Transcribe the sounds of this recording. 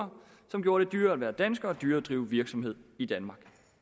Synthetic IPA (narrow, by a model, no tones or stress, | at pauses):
ɐ | sɒ̽mɡ̥jo̝ːɐɾ̥e̝d̥yːɐæʋæːɐd̥ænsɡ̥ɐɒd̥yːɐd̥ʁiːʊʋiɐɡ̥sɒ̽mhe̝ð̞̰ˠid̥ænmɑ̈ɡ̥